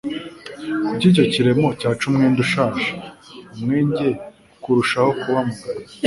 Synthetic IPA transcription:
bɟiːɟo̞ciɾe̞mo̞caːt͡ʃumŋeːnduʃaːʃḁumŋeːɲɟe̞ | kuɾuʃaho̞kuβamuɡaɾe

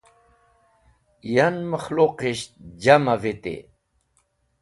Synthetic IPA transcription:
janməxloqiɕt̪̚d͡ʑamavit̪ḭ

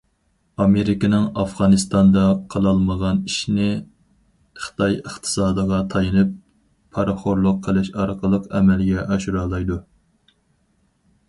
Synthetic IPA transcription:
ɑmeɾɪkʲɪnɪŋɑfʁɑnɨst̪ɑnd̪ɑqʰəlˠɑlˠməʁɑniʃnɪ | χə̥t̪ʰɑjəχt̪ʰə̥sɑːd̪əʁɑt̪ʰɑjɨnɨp̚ʰː | ɑɾχoɾlˠʊqʰːəlɪʃɑɾqʰəlˠəqɛmɛlɡʲɛʔɑʃuɾɑːlˠɑjd̪u

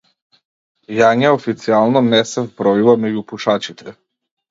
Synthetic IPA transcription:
jaɲaɔfit̪sialˠnɔnɛsɛvbɾɔjuvamɛɟupuʃat͡ʃit̪ʰɛ

